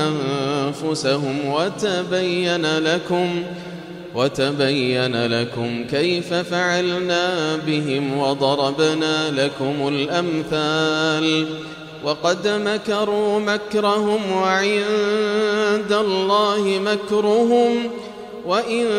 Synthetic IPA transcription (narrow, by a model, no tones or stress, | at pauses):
ʔanfʊsaɦʊmwat̪abajːanalakʊm | wat̪abajːanalakʊmkajfafaʕalnaːbɪɦɪmwɑd̪ˤɑɾˤɑbnaːlakʊmʊlʔamθaːl | wɑqɑd̪makɑɾˤuːmakɾˤɑhʊmwaʕɪnn | d̪alˤːɑːhɪmakɾʊɦʊm | waʔɪn